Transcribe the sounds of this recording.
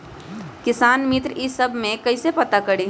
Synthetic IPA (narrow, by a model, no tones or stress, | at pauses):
kɪsaːnmɪt̪ɾɪsɐbʱmẽkɐisepɐt̪akəɽiː